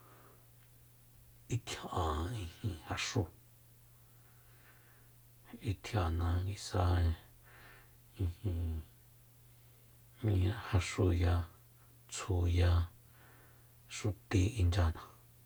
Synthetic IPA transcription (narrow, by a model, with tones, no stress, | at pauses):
i˧t̪ʰjã˨ʔã˨ĩ˧hĩ˧ha˧ʂu˧ | i˧t̪ʰja˨nã˧ŋɡi˧sa˧ | ĩ˧hĩ˧ | mĩ˧ã˧ha˧ʂu˧ja˧ | t͡sʰu˧˨ja˧ | ʂu˧t̪i˧i˧nd͡ʒa˧nã˧